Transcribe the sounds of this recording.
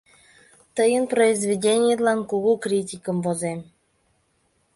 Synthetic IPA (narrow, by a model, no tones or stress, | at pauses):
t̪əjənproizvʲedʲenʲɪjəlɑnkuɣukrʲit̬ʲikə̆mvozem